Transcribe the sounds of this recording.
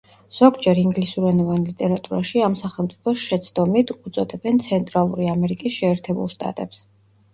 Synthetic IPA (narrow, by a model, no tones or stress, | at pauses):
z̥ɔɡd͡ʒɛɾiŋɡlisuɾɛnɔvanlit̪ʼɛɾat̪ʼuɾaʃiamsaχɛlˠmt̪sʼipʰɔsʃɛt̪sʰd̪ɔmit̪ʰut̪sʼɔd̪ɛbɛnt̪sʰɛnt̪ʼɾalˠuɾiamɛɾikʼisʃɛːɾt̪ʰɛbṵlˠʃt̪ʼa̰t̪ʼɛps